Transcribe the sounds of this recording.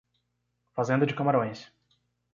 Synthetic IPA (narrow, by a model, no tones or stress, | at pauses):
fazẽnd̪ɐd͡ʒɪkamaɾõj̃s